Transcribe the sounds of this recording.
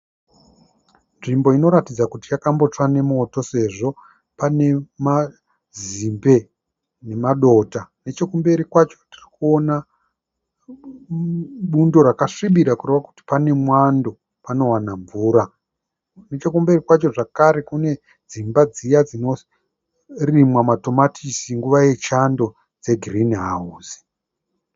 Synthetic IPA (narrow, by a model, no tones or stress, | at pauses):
nʐimbo̞ino̞ɾatid͡zakutijakambo̞t͡ʂwane̞mo̞to̞se̞ʐo̞ | pane̞ma | zimbe̞ | ne̞maɗo̞tane̞t͡ʃe̞kumbe̞ɾikwat͡ʃo̥tirikuona | ɓundo̞ɾakaʂiɓiɾakureʋaku̥ti̥pane̞mwando̞ | pano̞wanaɱvuːɾa | net͡ʃe̞kumbe̞rikwat͡ʃo̞ʐakaɾe̞kune̞ | d͡zimbad͡zijad͡zino̞ | rimwamato̞matʰisiŋɡuʋaje̞t͡ʃando̞ | d͡ze̞ɡʱirinɦauːzi̥